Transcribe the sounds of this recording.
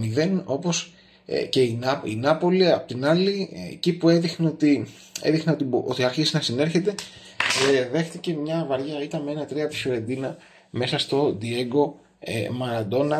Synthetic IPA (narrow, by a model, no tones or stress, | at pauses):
miðe̞no̞po̞s | ce̞inɐḭnɐpo̞liɐpo̞t̪inɐlḭcipue̞ðixneo̞t̪i | e̞̰ðixneo̞t̪iʔot̪iɐɾçisiznɐsine̞ɾçe̞t̪e̞ | ðe̞xt̪ice̞mɲɐvɐɾʝɐit̪ɐme̞nɐt̪ɾiɐpisoɾe̞nd̪inɐ | me̞sɐst̪o̞d̪ie̞ɡo̞̰ | mɐɾɐd̪o̞nɐ